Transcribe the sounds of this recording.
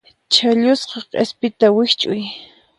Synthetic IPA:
t͡ʃaʎʊsqɑqʼḛspɪt̪awɪht͡ʃʼʊj

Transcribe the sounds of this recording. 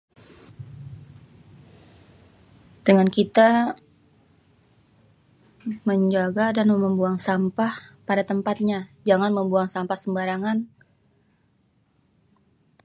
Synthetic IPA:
dəŋankit̪a | məɲd͡ʒaɡadanməmbuaŋsampahpadat̪əmpat̪̚ɲad͡ʒaŋanməmbuaŋsampahsəmbaɾaŋan

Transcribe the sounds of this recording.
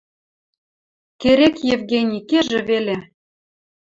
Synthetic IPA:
keɾekjevɣenʲikeʒĕβele

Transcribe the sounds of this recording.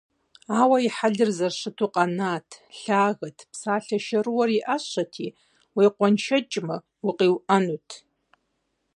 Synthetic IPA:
awaiħadɨrzarʂɨtʰuqʼanatʰɬaːɣɨtʰpʰsaːɬaʃaɾɨwaɾiʔaʃʷatʰi | wijqʷanʃat͡ʃʼma | uqʼiwʔanutʰ

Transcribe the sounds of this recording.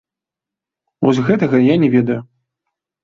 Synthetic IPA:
vɔzʲɣɛt̪ɐɣɐjanʲɛvʲɛd̪ɐju

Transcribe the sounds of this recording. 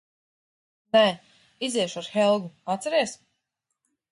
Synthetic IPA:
nɛ | izɛɛʃuaɾxɛlˠɡuat̪sɛɾiɛsm

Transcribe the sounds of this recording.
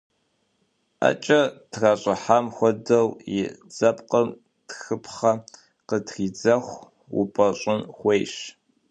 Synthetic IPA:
a̰t͡ʃʼɐtʰraːɕʼɪħamxʷɔdɐwjɪd͡zɐpqʼɐm | txɨpʰχɐ | qətriːd͡zɐχʷ | wʊ̰pʼɐɕʼɪnxʷejʂ

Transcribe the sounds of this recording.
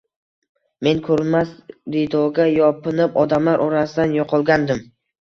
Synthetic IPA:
me̞nkʰɵɾɪnmasɾid̪ɒɡʲajɒpɪnɪpɒd̪amlaɾʔɒɾasɪd̪anjɒqʰɒlˠɡʲand̪ɪm

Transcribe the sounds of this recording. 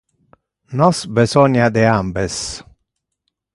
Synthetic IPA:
nɔsbesɔnad̪eambes

